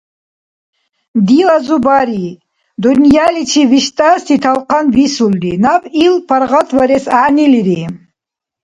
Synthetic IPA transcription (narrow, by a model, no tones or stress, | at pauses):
d̪ilazubaɾi | d̪unjalit͡ʃʰiviʃt̪ʼast̪ʰit̪ʰalqʰanbisuld̪inapʼilpʰaɾʁat̪ʰwaɾɛsaʔniliɾi